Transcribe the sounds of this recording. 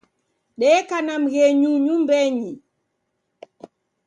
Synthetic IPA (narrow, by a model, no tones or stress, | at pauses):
ɗɛkanam̩ɣɛɲuɲumbɛɲi